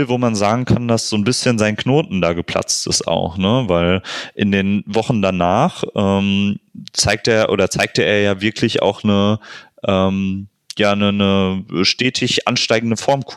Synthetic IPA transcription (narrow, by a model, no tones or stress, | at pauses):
voːmanzaːɡŋ̩kʰandasz̥oːnbɪsçənzaɪnkʰnoːtn̩daːɡəpʰl̥a̰t͡stɪ̰sta̰ʊxnəvaɪlʔɪndeːnvɔχn̩danaːχʔɛːmt͡saɪk̚teːɐʔo̰ːdɐt͡saɪk̚təʔeːɐjaːvɪɐkʰlɪça̰ʊxnəʔɛːm | jaːnənəʃtɛːtʰɪçʔa̰nʃtaɪɡŋ̩dəfɔɐmkʰu